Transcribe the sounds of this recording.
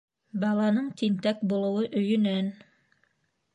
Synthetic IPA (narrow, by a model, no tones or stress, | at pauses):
bɑlˠɑnɤɴt̪int̪ækbulˠɤ̆wɤʔɵ̆jɵ̆næn